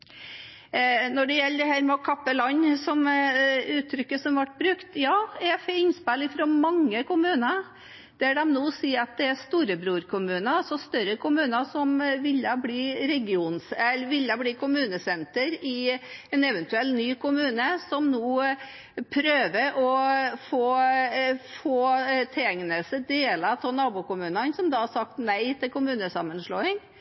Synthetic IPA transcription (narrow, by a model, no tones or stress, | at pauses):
nɔɖɛjɛlːəd̪əhæːɾmɛɔkʰɑpːəlɑɲːsɔm | ʉːt̪ʰːɾʏkːəsɔmʋɑʈ̚ːbɾʉkt̪jɑːɛfɛnspælɪfɾɔmɑŋːəkʊmʉːnə | d̪̥æɖɛmnoːsiːɑt̪̚d̪ɛæst̪uːɾəbɾuːɾkʰʊmʉːnəsɔst̪œɾəkʰʊmʉːnəsɔmʋɪlːəbliːɾɛɡɪuːnsɛlːəʋɪlːɑbliːkʰʊmʉːnəsɛnt̪əɾɪɛnɛʋɛnt̪ʉɛlt̪nyːkʊmʉːnəsɔmnoː | pʰɾøːʋəɾʔɔfoː | foːt̪ʰɛɛŋnəsəd̪eːlɑt̪ʰɔnɑːbʊkʊmʉːnənsɔmd̪ɑːɑsɑk̚t̪næɪt̪ɪlkʊmʉːnəsɑmːənʂloːɪŋ